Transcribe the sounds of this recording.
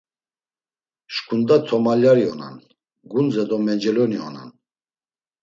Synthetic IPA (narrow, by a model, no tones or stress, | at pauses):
ʃkʰund̪at̪ʰɔmaljaɾiɔna̰n | ɡund͡zɛd̪ɔmɛd͡ʒɛlɔniɔ̰na̰n